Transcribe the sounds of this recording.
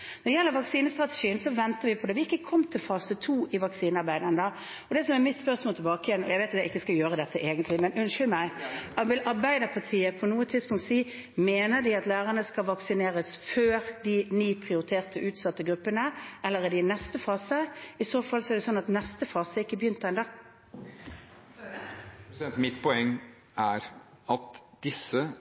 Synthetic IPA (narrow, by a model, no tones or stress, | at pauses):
nɔd̪ɛjɛlːəɾʋɑksiːnəst̪ɾʁɑt̪əʂiːənsɔʋɛnt̪əʋɪpʰɔd̪ɛːʋɪɪkːəkʰɔmːt̪ʰɪlfɑːsət̪ʰuːʔɪʋɑksiːnəɑɾbæɪd̪ənd̪ɑ | ɔd̪ɛsɔmɛɾmɪt̪spœʁsmoːlt̪ʰɪlbɑːkəjɛnːɔ̰jæɪʋeɪt̪ɑt̪jæɪkːəskɑjøːɾəd̪ɛt̪ːəʔeːɡənt̪lɪmɛnʉnʃʏlmæɪɑʋɪlʔɑɾbæɪd̪əpʰɑt̪ʰiːəpʰɔnuːət̪ʰɪd̪spʊŋt̪siː | meːnəd̪ɪɑt̪læːɾənəskɑlʋɑksɪneːɾəsføːɾd̪ɪnyːpʰʁɪʊɾɪt̪ʰeːʁt̪ʰəʔʉːt̪sɑt̪ːəɡɾʉpːənəɛlːəʁɛd̪ɪnɛst̪əfɑːsəɪsoːfɑlːsɔɛɾd̪ɛsɔnːɑt̪nɛst̪əfɑːsəɪkːəbəjʏnt̪əɛnd̪ɑ | ɛnt̪mɪt̪pʰɔɛŋː | ʔæɾ | ɑt̪d̪̥ɪsə